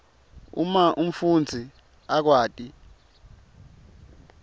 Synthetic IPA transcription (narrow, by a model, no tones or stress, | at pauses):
ṵmaʔum̩fund͡zʱi | ak̬waːtʼi